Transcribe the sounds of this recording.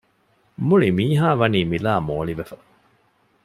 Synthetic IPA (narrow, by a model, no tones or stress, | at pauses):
muɭimiːɦaːʋɐniːmilaːmoːɭiʋefɐ̥